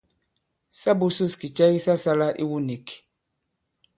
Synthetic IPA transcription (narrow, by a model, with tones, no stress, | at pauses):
sa˦bu˦su˦˨ski˨t͡ʃa˦ji˦sa˦sa˦la˦ʔḭ˦wu˦ni˨k